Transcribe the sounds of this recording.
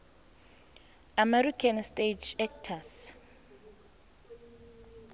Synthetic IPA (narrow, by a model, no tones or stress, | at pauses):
amɛrikʰanstʼed͡ʒɛk̚tʰas